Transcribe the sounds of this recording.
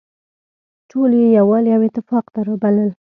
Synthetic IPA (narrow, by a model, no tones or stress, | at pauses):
ʈʰoljejawɑljawɪt̪ɪfɑqd̪aɾəbaləl